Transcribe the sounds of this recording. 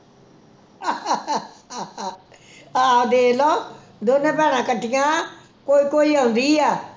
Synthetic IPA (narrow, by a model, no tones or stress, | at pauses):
aːod̪eːlɔː | d̪oːnẽːpɛːɽ̃ãːkəʈːɪjãː | koːiːkoːiːaʊ̃nd̪iːɛː